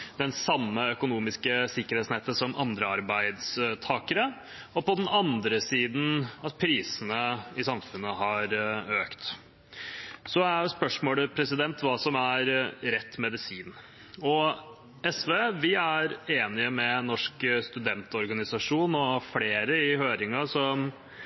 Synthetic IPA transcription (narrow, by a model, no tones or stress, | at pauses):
d̪ɛnsɑmːəœkʊnuːmɪskəsɪkːəɾheːt̪snɛt̪ːəsɔmʔɑnd̪ɾəɑɾbæɪd̪st̪ʰɑːkəɾə | ɔpɔd̪ɛnɑnd̪ɾəsiːd̪n̩ɑt̪̚pʰɾiːsənəɪsɑmfʉnːəɦɑɾøːkt̪ | sɔæɾjʊspœʂmoːləpʰɾɛsɪd̪ɛnt̪ʋɑːsɔmæɾɾɛt̪ːmɛd̪ɪsiːn | ɔ | ɛsʋeːʋɪæɾeːnɪəmɛnɔʂkst̪ʉd̪ɛnt̪ɔɾɡɑnɪsɑʂuːnɔfleːɾəɪhøːɾɪŋɑsɔm